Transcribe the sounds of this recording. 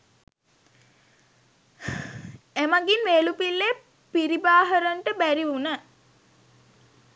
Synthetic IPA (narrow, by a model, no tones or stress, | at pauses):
emaɡinʋeːlupilːe | piɾibaːɦəɾəɳʈəbæɾiʋunə